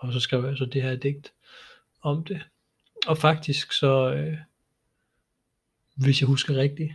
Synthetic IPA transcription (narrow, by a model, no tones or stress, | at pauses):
ɒ̽sɒ̽sɡ̥ʁɛ̰ʊ̰jasɒ̽d̥e̝ɦæɐd̥eɡ̥̚d̥ | ɒ̽md̥e̝ | ɒ̽fɑ̈ɡ̥̚d̥isɡ̥sɒ̽ø | ʋe̝sjɑ̈ɪhusɡ̥ɐʁɛɡ̥̚d̥i